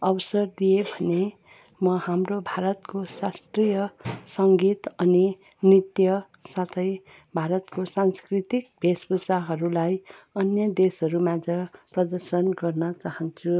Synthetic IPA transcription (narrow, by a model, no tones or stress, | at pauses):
ʌbʌsʌrd̪ijebʱʌne | mʌhamrobʱaɾʌt̪kosast̪rijʌsʌŋɡit̪ʌni | nit̪jʌ | sat̪ʰʌj | bʱaɾʌt̪kosanskrit̪ik̚bʱesbusaɦʌɾulajʌnjʌd̪esɦʌɾumãd͡zʌprʌd̪ʌrsʌnɡʌrnʌt͡saɦʌnt͡sʰu